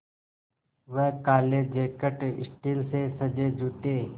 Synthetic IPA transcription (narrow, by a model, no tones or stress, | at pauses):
ʋəkaːleːd͡ʒeːkəʈɪ̰sʈiːlseːsəd͡ʒeːd͡ʒuːt̪eː